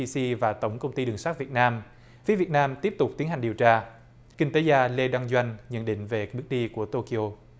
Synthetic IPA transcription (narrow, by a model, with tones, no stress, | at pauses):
si˧vaː˨˩t̪ə˧˩wŋ͡mkə˧wŋ͡mt̪i˧ɗɨ˨˩əŋsaː˦˥vi˨˩t̚naː˧m | fi˨˦vi˨˩ət̚naː˧mt̪i˦˥əp̚t̪ʊ˨˩k͡p̚t̪i˨˦ənɦa˨˩ŋ̟ɗəwt͡ɕaː˧ | kï˧ŋ̟t̪e˨˦zaː˧le˧ɗwa˧ŋzwa˧jŋ̟ɲə̰˧˨nɗḭ˧˨ŋ̟ve˨˩ɓɨ˦˥k̚ɗi˧ku˧˩ət̪o˧ki˧ʔo˧